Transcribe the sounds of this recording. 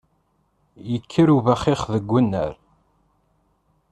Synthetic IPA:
jəkʰːəɾuvæχɪχðəɡʷːənːə̰ɾ

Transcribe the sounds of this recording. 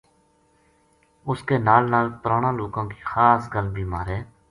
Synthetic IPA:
ʊskeːnaːlnaːlpəɾaːɳãːloːkãːki̥ːxaːsɡəlbʱiːmaːɾeː

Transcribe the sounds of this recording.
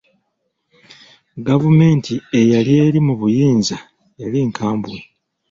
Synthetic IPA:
ɡavume̞ːntʰie̞jalie̞ːɾimuβujiːnza | jaliŋkʰaːmbue

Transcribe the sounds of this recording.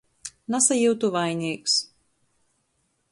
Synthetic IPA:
nasajuwt̪uvajnʲiːks

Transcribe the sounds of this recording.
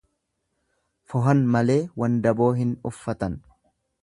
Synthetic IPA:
fɔɦɐnmɐle̞ːwɐnd̪ɐbo̞ːɦɪnʊfːɐt̪ɐn

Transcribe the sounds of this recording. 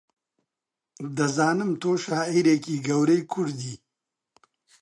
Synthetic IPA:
d̪əzɑːnɪmt̪oːʃaːiɾekiɡɐwɾejkʰuɽd̪i

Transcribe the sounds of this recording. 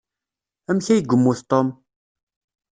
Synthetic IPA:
æmçæjɡʷəmːuθt̪ˤom

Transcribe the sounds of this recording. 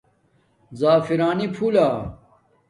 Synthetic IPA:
zaːfiɾaːnipʰuːlaː

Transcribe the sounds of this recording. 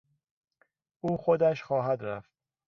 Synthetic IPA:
ʔuːxod̪æʃχɒːɦæd̪ɾæft̪̚

